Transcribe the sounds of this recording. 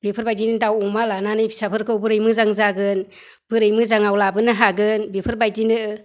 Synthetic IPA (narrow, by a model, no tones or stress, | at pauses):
bipʰɯɾbajdinɯdawumalananɯjpʰi̥sapʰɯɾkʰɯwbɯɾɯjmɯzaŋzaɡɯn | b̥ɯɾɯjmɯzaŋawlabɯnɯɦaɡɯnbipʰɯɾbajdinɯ